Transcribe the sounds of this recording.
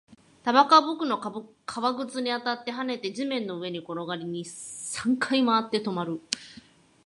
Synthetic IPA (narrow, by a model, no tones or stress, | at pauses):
t̪abakabɯkɯ̟no̞k | kʰaβaɡɯ̟t͡sɨɲ̟iat̪at̪ːe̞ɦane̞t̪e̞d͡ʑimẽ̞nːo̞ɯ̟e̞ɲ̟iko̞ɾo̞ɡaɾʲiɲ̟isãŋkʰaimaːt̪ːe̞t̪o̞maɾɯ̟